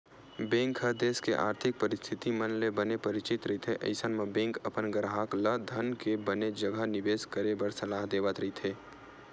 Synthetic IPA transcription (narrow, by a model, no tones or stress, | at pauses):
bẽːŋkɦəd̪eːskeʔa̰ːɾt̪ʰɪk̚pɐɾɪst̪ʰɪt̪imɐnlebɐnepɐɾɪt͡ʃɪt̪ɾɐɦit̪ʰeʔɐ̰ɪsənmẽbẽːŋkɐpənɡəɾɦaːkləd̪ʱɐnkebəned͡ʒəɡəɦnɪʋeːskəɾebəɾsɐlaːɦd̪eːʋət̪ɾɐɦit̪ʰeː